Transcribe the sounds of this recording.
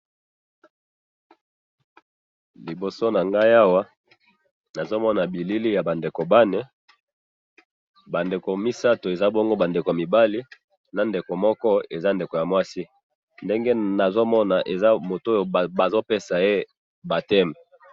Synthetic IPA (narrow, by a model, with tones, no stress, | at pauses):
li˨bo˨so˦na˨ŋɡa˦ja˦wa˦ | na˨zo˦mɔ˦na˨bi˨li˦li˦ja˨ba˨nde˨ko˨ba˦ne˨ | ba˨nde˨ko˨mi˦sa˦to˨e˨za˦bɔ˦ŋɡo˦ba˨nde˨ko˨mi˨ba˦li˦ | na˨nde˨ko˨mɔ˦kɔ˦e˨za˦nde˨ko˨ja˨mwa˦si˦ | nde˦ŋɡe˦na˨zo˦mɔ˦na˨ʔe˨za˦mo˨to˦jo˨ba˨zo˦pe˦sa˨e˦ | ba˨tɛ˦mɛ˨